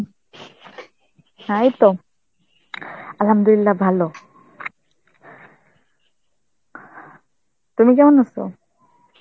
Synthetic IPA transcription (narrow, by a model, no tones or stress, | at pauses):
hajt̪ɔ | alhamd̪ulilːabʱalɔ | t̪umikɛmɔnasɔ̰